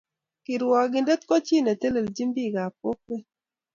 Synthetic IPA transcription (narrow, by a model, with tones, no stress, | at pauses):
kɪ˨ɾwɔ˨ɡɪ˨nde˦t̪̚kɔ˦t͡ʃi˦˨ne˨t̪e˦le˨ld͡ʒi˦mbi˦˨ɡa˨p̚o˦pe˦